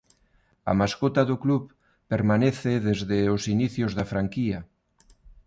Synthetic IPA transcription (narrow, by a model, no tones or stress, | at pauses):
ɐ̰maskot̪aðʊkluβ | peɾmaneθeðezðɪosiniθjozðafɾaŋkiɐ